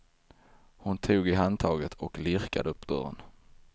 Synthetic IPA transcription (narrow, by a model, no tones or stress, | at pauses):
hʊnt̪ʰuːɡɪɦant̪ʰɑːɡət̪ʰɔklɪɾka̰d̪əɵpːd̪̥œ̰ːɾə̰n